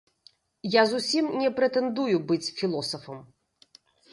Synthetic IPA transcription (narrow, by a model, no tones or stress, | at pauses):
jazusʲimnʲɛpɾɛt̪ɛnd̪ujubɨt͡sʲfʲilˠɔsɐfɐm